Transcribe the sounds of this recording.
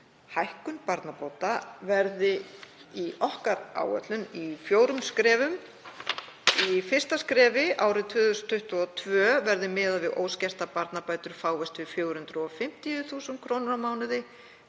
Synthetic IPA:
hajhkʏnpaɾt̪napoːwt̪avɛɾðɪ | iɔhkaɾa̰ːwœ̰t̪lʏnifjoːwɾʏmskɾɛːvʏm | ifɪr̥st̪askɾɛːvɪʔaːwɾɪt̪ʰvʏːðʏst̪ʰːʏht̪ʏɔt̪ʰvœːvɛɾðɪmɪːðavɪðo̰ːwscɛst̪apaɾt̪napaːjt̪ʏɾ̥faːwvɛst̪vɪðfjoːɣɾhʏnt̪ɾʏɔfɪm̥t̪ijʏθuːsʏnkʰɾownʏɾawmaːwnɪðɪ

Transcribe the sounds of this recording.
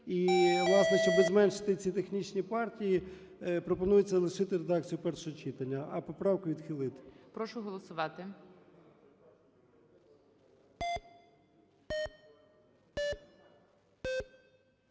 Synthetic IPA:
iʋlˠɑsnɛʃt͡ʃɔbɪzmɛnʃɪ̥t̪ɪt͡sʲit̪exnʲit͡ʃnʲipɑrtʲiji | pɾɔpɔnujʊt͡sʲːɐlˠɪʃɪt̪ɪɾed̪ɑk̚t͡sʲijʊpɛrʃɔɦɔt͡ʃit̪ɐnʲːɐɐpɔpɾɑwkʊʋʲid̪xɪlˠɪt̪ɪ̥pɾɔʃʊɦɔlˠɔsʊʋɑt̪ɪ

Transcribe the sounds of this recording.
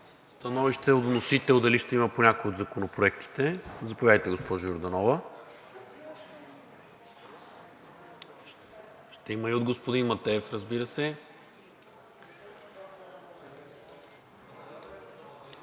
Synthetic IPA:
st̪ɐnɔviʃt̪ɛod̪vnosit̪ɛlˠd̪ɐliʃt̪ɛiməponʲakojod̪zɐkonopɾoɛkt̪i̥t̪ɛzɐpovʲad̪əjt̪ɛɡospɔʒʊjoɾd̪ɐnɔvə | ʃt̪ɛiməiod̪̚ɡospod̪inmɐt̪ɛːfɾəzbiɾəsɛ

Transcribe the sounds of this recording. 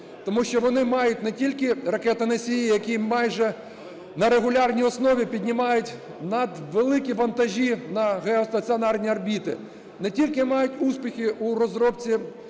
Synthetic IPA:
t̪ɔmuʃt͡ʃɔʋɔnɪmɑjʊt̚ʲnɛtʲilʲkɪrɐkɛt̪ɪnɐsʲijijɐkʲimɑjʒɛ | nɐɾeɣʊlʲɑrnʲijɔsnɔʋʲipʲidʲnʲɪmɑjʊtʲ | nɐd̪ʋelˠɪkʲiʋɐnt̪ɐʒʲinɐɣeɔst̪ɐt͡sʲiɔnɑrnʲiɐrbʲit̪ɪ̰ | nɛtʲilʲkɪmɑjʊtʲuspʲixʲɪʔuɾɔzɾɔpt͡sʲi

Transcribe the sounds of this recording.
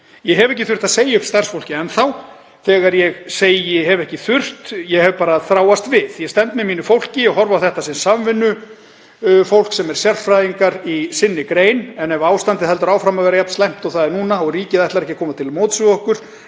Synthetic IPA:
jɛɦɛvɛhcɪθʏr̥t̪aðseːjɪʏkst̪ar̥sfowlcɪɛnθaw | θɛːɣaɾjɛɣseːjjɛɦɛvɛhcɪθʏr̥t̪jɛɣhɛvpaːɾaθɾaːwast̪vɪðjɛst̪ɛnt̪mɛmiːnʏfowl̥cɪjɛɣɦɔɾvawθɛht̪asɛmsamvɪnːʏ | fowl̥ksɛmɛɾ̥sjɛrfɾajðiŋkaɾisɪnːɪkɾeːjnɛnɛvaːwst̪ant̪ɪhɛlt̪ʏɾaːwfɾamaðvɛːɾajapn̥st̪lɛjm̥t̪ɔɣθaðɛɾnuːnaɔɣriːcɪðɛht̪laɾɛhcːɪ̥kʰɔːmat̪ʰɪlmoːwt̪sʏɔhkʏɾ̥

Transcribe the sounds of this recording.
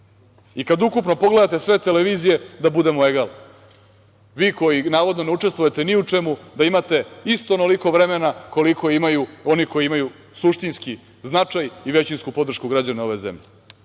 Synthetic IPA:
ikad̪ukupno̞po̞ɡle̞d̪at̪esʋe̞t̪e̞leʋiːzije̞d̪abud̪e̞moeɡal | ʋiːko̞jinaːʋo̞d̪no̞neut͡ʂe̞st̪ʋuje̞t̪eniut͡ʂe̞mud̪aimat̪e̞ist̪onoliko̞ʋɾe̞menako̞liko̞imajuo̞niko̞iimaju | suʃt̪inski | znat͡ʂajiʋe̞t͡ɕinskupo̞d̪r̩ʃkuɡɾad͡ʑaneo̞ʋezḛmʎe

